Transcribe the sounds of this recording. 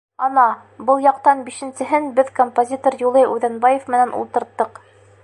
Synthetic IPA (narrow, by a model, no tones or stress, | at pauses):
ɑnɑ | bɤlˠjɑq̚t̪ɑnbiʃɘ̆nsɘ̆ɦɘnbɘðkompozʲit̪orjulˠɤjʉðænbɑjefmɘ̆nænʔṵlˠt̪ɤ̆ɾt̪ːɤq